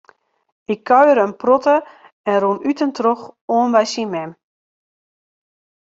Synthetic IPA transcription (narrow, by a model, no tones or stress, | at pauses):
ɪkʰːœɥəɾənprotə | ɛnrunytəntroxoənbajsimɛm